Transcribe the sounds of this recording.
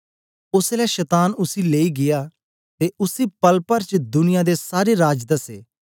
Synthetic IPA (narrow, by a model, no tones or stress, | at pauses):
ʊslɛːʃɛt̪aːnʊsiːleːiːɡɪjaː | t̪eːʔʊsiːpəlpəɾt͡ʃd̪ʊnɪjãːd̪eːsaːɾeːɾaːd͡ʒd̪ɐsḛː